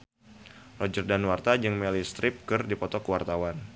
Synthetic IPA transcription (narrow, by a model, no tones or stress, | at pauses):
lɔd͡ʒərdanwart̪ad͡ʒɨŋmɛlist̪ɾɪp̚kɨrdipɔt̪ɔkəwart̪awan